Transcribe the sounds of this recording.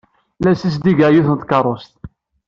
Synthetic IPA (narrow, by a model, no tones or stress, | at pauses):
læsis̬d̪iɡəʕjuθənt̪kɑrˤost̪